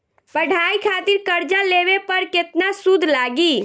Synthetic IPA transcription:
pəɽ̤ʱaikʰat̪iɾkəɾd͡ʒãlebepəɾket̪nasud̪ʱlaɡi

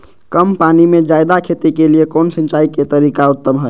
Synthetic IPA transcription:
kəmpanimed͡ʒajd̪akʰet̪ikeliekonsə̃nt͡ʃaiket̪əɾikaut̪ːəmɦə

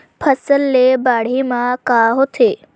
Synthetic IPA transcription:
pʰɐsəlːebaːɽ̤imãkaɦot̪ʰeː

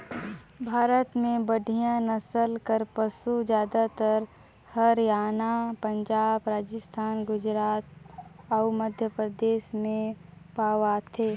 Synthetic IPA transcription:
bʱaːɾət̪mẽbəɖʱijãnəsəlkəɾpəsud͡ʒjaːd̪at̪əɾ | həɾjaːnapə̃ɲd͡ʒaːbɾaːd͡ʒəst̪ʰaːnɡʊd͡ʒɾaːt̪ɔːməd̪ʱjəpɾəd̪eːʃmẽpaːwat̪ʰeː

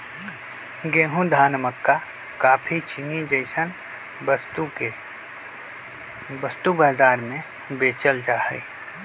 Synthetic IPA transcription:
ɡeːɦũd̪ʱaːnəməkːa | kaːpʰit͡ʃinid͡ʒəɪʃən | t̪ue | bəst̪ubɐːzaːɾmẽ | beːt͡ʃəld͡ʒaːɦə̰i

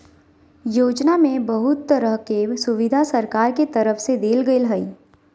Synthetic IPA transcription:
joːd͡ʒnamẽbɐɦʊt̪ːəɾəɦkesʊʋɪd̪ʱasɐɾkaːɾket̪ɐɾəfsed̪eːlɡəɪlɦɐiː

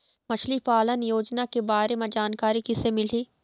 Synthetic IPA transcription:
mɐt͡ʃʰlipaːlənjoːd͡ʒnakebaːɾemãd͡ʒaːnkaːɾikɪsemɪl̤iː

